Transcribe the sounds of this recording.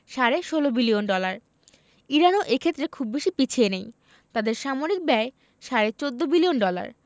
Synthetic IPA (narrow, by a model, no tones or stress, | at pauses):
ʃaɾeʃolobilionɖɔlaɾ | iɾanoʔekʰet̪ːɾekʰubbeʃipit͡ɕʰienej | t̪ad̪eɾʃamoɾik̚bɛe | ʃaɾet͡ɕod̪ːobilionɖɔla̰ɾ